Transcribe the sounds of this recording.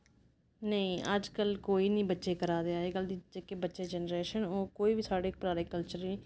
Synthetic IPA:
nəĩːʔəd͡ʒkəlkoːiːnĩːbətːʃeːkəɾaːd̪eaːeːkəld̪id͡ʒeːkebətːʃeːd͡ʒɛːnɾeːʃənoːkoːiːbiːsaːɖeːk̚pɾaːɾeːkəlt͡ʃəɾniː

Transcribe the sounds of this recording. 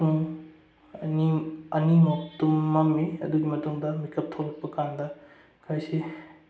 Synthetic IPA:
uŋ | ɐniɐnimoktumːɐmiɐ̰duɡimɐtuŋdɐmikɐp̚tʰoɾɐk̚pɐkandɐ | kʰajsi

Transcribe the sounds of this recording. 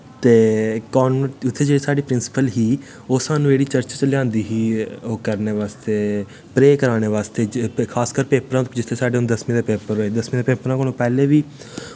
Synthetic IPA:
t̪eːkɔːnʊt̪ʰːeːd͡ʒeːɽiːsaːɖiːpɾɪnsɪ̥pəlɦiː | oːsaːnũːeːɽiːt͡ʃəɾt͡ʃːt͡ʃəljãːnd̪iːɦiːoːkəɾneːʋaːst̪eː | pɾeːkəɾaːɽ̃eːʋaːst̪eːkʰaːskəɾpeːpəɾãːd͡ʒɪt̪ʰːeːsaːɖeːʊñːd̪əsmẽːd̪eːpeːpəɾɦoːeːd̪əsmĩːd̪epeːpɾãːkonõːpɛːleːʋiː

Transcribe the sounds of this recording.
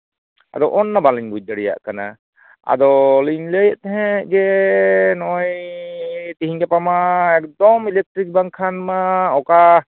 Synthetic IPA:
a̰d̪ɔwʔɔnːabaləɲbuj̚d̪aɽɛja̰ʔkana̰ | a̰d̪ɔliɲləjəʔt̪ɛɦɛ̃ʔd͡ʒɛ | nɔj | t̪iɦiɲɡɛpamaɛkd̪ɔmilɛk̚ʈɾik̚baŋkʰanmaɔka

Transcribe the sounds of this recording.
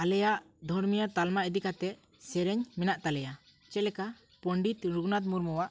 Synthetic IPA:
alɛjaʔ | d̪ʱɔɽmijat̪almaʔɛd̪ikat̪ɛʔ | sɛɾɛɲmɛnaʔt̪alɛja | t͡ʃɛlɛka | pɔɳɖit̪ɾuɡnat̪̬muɾmɔwaʔ

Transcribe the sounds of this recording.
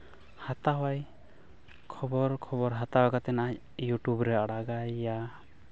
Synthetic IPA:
hat̪aɦwaj | kʰɔbɔɾkʰɔbɔɾɦat̪aɦakat̪ɛnaʔa | juʈubɾɛaɽaɡajːa

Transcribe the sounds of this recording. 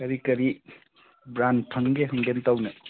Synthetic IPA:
kɐɾikɐɾi | bɾanpʰɐŋɡeɦɐŋɡentawnɐ

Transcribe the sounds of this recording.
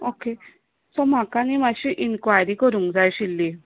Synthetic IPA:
oke | sɔm̤akanimaɕiʔinkʋajɾikəɾũːŋkd͡zajɕilːi

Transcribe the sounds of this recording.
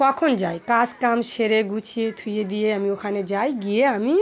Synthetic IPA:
kɔkʰond͡ʒajkaskamseɾeɡut͡ʃʰiet̪ʰujed̪ijeɦəmiokʰaned͡ʒajɡieɦəmi

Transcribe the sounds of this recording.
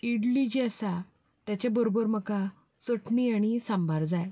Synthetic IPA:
iɽlid͡ʑiəsa | t̪jat͡ɕebəɾobəɾməka | səʈniaɽ̃isãmbaɾd͡zaj

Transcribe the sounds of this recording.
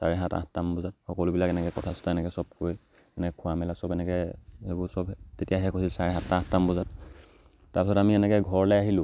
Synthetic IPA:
saɹɛɦata̰atːambɔzat̚xɔkɔlʊbilakɛnɛkɛkɔtʰasʊ̥taɛnɛkɛsɔb̚koj | ɛnɛkɛkʰʊamɛlasɔbɛnɛkɛɛbʊɹsɔbtetijaɦɛkʰosilsaɹɛɦatːaatːambɔzat | tːaɹpisɔtamiɛnɛkɛɡʱɔɹlɛjaɦilʊ̃

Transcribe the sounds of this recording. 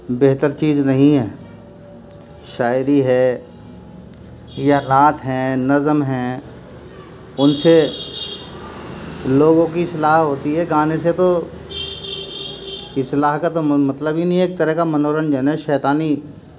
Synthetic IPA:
beɦt̪əɾt͡ʃiːznɐɦĩɦɛː | ʃaːɪɾiɦɛː | jaɾaːt̪ɦɛ̃ːnɐzəmɦɛ̃ː | ʊnse | loːɡõkiɪslaːɦɦoːt̪iɦɛɡaːneset̪o | ɪslaːɦkat̪omɐt̪ləbɦinĩeːk̚t̪əɾəɦkamɐnoːɾənd͡ʒɛːnaʃɛːt̪aːni

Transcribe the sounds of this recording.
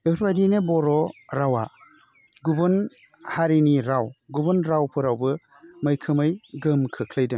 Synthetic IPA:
beɾbajdinebɔɾɔɾawa | ɡubɯn | haɾiniɾawɡubɯnɾawpʰɯɾawbɯ | mɯjkʰɯmɯjɡɯmkʰɯkʰlɯjdɯŋ

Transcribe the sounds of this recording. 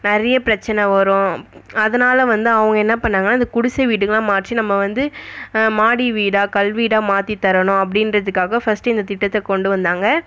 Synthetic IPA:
nɐɾɐjɐpɪɾɐt͡ʃːɐnɐʋɐɾʊ̃ɐðɐnaːlɐʋɐnd̪ɯɐʋɐŋɡɐɛnːɐpɐɳːaːŋɡɐnaːɪnd̪ɐkʊɽʊsɐʋiːʈːɯŋɡɐlãːmaːʈrinɐmːɐʋɐnd̪ɯmaːɽiʋiːɽaːkɐlʋiːɽaːmaːt̪it̪ːɐɾɐnʊ̃ɐp̬ːɐɽɪnɾɐðɯkːaːɣɐfɐsʈɯɪnd̪ɐt̪ɪʈːɐt̪ːɛkɔɳɖɯʋɐnd̪aːŋɡɐ

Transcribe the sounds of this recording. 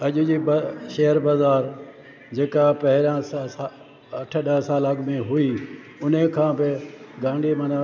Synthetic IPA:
ɐʄʊd͡ʑiːbɐʃɐɦəɾbɐzaːɾ | d͡ʑeːkapɐɦɪɾãsa | ɐʈʰəɗɐɦsaːlɐɠmẽɦui | ʊnəkʰãːbɪɡãːɳɖimɐn

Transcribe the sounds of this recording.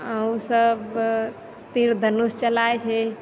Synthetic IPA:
əusəb | t̪iɾd̪ʱənust͡ʃəlajt͡ʃʰɛ

